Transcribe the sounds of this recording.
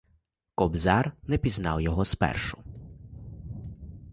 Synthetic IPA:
kɔbzɑrnɛpʲiznɑwjɔɦɔspɛ̰rʃʊ

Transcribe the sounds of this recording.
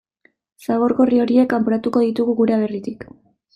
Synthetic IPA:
saβ̞o̞ɾɣo̞rio̞ɾie̞kampoɾat̪uko̞ðit̪uɣuɣuɾeaβerit̪ik

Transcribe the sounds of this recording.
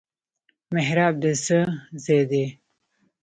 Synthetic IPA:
meɦɾaːb̚d̪əsəzed̪e

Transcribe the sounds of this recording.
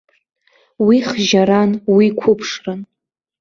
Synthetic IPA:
wiχʒaɾanwikʷʰʊpʰʂrɨn

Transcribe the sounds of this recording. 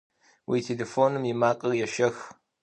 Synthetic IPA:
wʔḭːtʰeleːfoːnɨmjɪmaːqʼərjɛʃɐx

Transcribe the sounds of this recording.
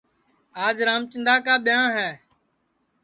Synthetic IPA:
aːd͡ʒɾaːmt͡ʃɪnd̪aːkaːɓɪjãːɦɛː

